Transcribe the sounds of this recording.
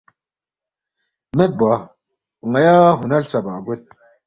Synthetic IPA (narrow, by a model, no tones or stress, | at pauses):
meba | uŋajaːɦunalsabaɡet̪̚